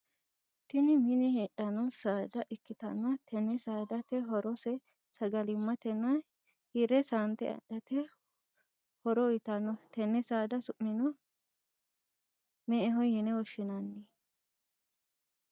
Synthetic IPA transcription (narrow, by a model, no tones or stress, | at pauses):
t̪ɪnɪmɪnɛheːᶑɐnɔsaːd̪ɐʔɪkːɪt̪ɐnːɐt̪ʰɛnːɛsaːd̪ɐt̪ɛɦɔɾɔsɛ | sɐɡɐlɪmːɐt̪ɛnːɐ | hiɾɛsant̪ɛ̰ɐ̰ɗɐt̪ɛ | hɔɾɔɪt̪ɐnːɔt̪ɛnːɛsaːd̪ɐsʊʔːɪnɔ | mɛʔɛɦɔjɛnɛwɔʃɪnanːi